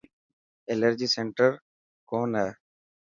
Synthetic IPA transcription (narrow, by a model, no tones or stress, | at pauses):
eːləɾd͡ʒiːseːɳʈəɾ | koːnɦɛː